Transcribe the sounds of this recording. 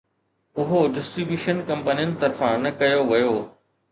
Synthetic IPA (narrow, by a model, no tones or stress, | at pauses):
ʊɦoɖɪsʈɾibjuːʃənkɐ̃mpənijʊnɪ̆t̪ɐɾfãnɐkɐjoʋɐjoː